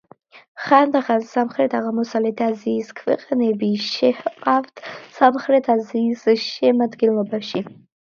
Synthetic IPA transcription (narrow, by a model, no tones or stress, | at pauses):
χand̪aχansamχɾet̪ʰaɣamʊsalet̪ʰazizkʰfḭqʼanebiʃeħqʼaft̪ʰsamχɾet̪ʰazizɨʃemad̪ɡilmabaʃi